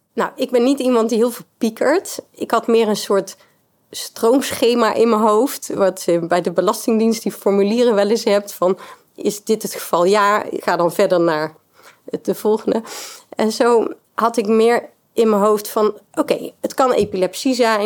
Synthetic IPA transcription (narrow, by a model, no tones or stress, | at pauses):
nawɪɡ̚bɛnːitimɑnt̚diɦɪːlˠvɪːlˠpikəɹtɪkɦɑtmɪːɹənsʊːɹt | strowmsχejmaːʔɪnmənɦowftʋɑtbɛjdəbəlɑstɪŋdinst̚difɔɹmyliːrəʋɛlɪsɦɛp̚tfɑn | ɪzdɪtɦətχəv̥ɑlˠjaːɪ̰χaːdɑnvɛɹdəɹnaːɹ | ətdəv̥ɔlˠχəndəɛ̰nzow | hɑtɪkmɪːɹ | ʔɪnmənɦowftfɑnʔowkejətkɑnḛpilɛpsizɛjn